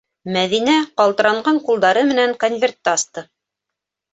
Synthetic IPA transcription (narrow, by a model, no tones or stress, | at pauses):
mæðinæqɑlˠt̪ɤ̆ɾɑɴɢɑɴqulˠd̪ɑɾɤmɘ̆næŋkonvʲert̪ːæɑst̪ɤ